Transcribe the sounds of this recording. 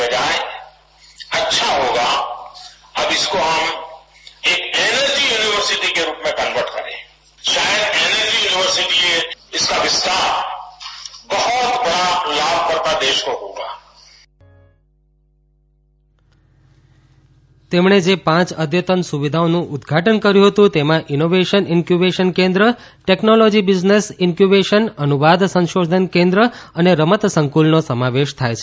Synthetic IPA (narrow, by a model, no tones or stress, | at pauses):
ɐd͡ʒaːe | ɐtːʃʰaɦoːɡa | ɐbɪskoɦɐm | eːkeːnəɾd͡ʒijuːnɪʋəɾsɪʈikeɾuːpmẽkə̃nʋəɾʈkɐ̰ɾḛ̃ː | ʃaːjəd̪eːnəɾd͡ʒijuːnɪʋəɾsɪʈieɪskaʋɪst̪aːɾ | bəɦʊt̪bɐɽalaːb̚ʱkɐɾt̪ad̪eːʃkoɦoːɡaː | t̪emɳed͡ʒepãt͡ʃəd̪jət̪ənsuʋid̪ʱaonũʔʊd̪ɡʱaʈənkəɾjũɦət̪ũt̪emãʔinoʋeʃənɪnkjubeʃənkẽnd̪ɾə | ʈeknolod͡ʒibɪd͡ʒnesɪnkjubeʃənənuʋad̪sə̃nʃod̪ʱənkẽnd̪ɾəəneɾəmət̪səŋkulnosəmaʋeʃt̪ʰajt͡ʃʰe